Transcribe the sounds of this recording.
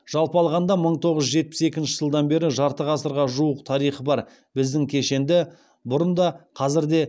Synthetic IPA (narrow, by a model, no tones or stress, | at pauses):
ʒ̥ɑlˠpəɑlˠʁɑnd̪ɑməɴt̪ʰo̞ʁəzʒe̞t̪̚pɪ̥sekʲɪnʃɪ̥ʒəlˠd̪ɑnbe̞ɾɪʒɑɾt̪əʁɑsəɾʁɑʒuəqt̪ʰɑɾijχəbɑɾ | bɪzd̪ɪŋkʲʰe̞ʃe̞nd̪ɪ | bʊɾənd̪ɑqʰɑzɪɾd̪e̞